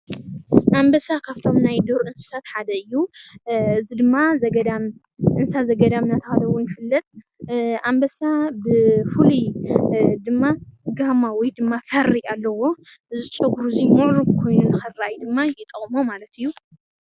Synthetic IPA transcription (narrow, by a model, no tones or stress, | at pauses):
ʔambɐsakʰaβt̪ʰo̞mnajd̪oɾʔɨnsɨ̥sat̪ħad̪ɐɨjːu | ɨzid̪ɨmːazɐɡɐd̪am | ʔɨnsazɐɡɐd̪amnat̪ʰɐxad̪ɐwonjɪfɨlːɐt̪ʼ | ʔambɐsabɨfɨli | d̪ɨmːaɡamawɔjd̪ɨmːafɐrːialːɐwoɨzɨt͡ʃʼɐɡɾuzimuʕɾubkʰo̞jnunɨxɨrajd̪ɨmːajɛt̪ʼɐχʼmomalɐt̪ɨjːu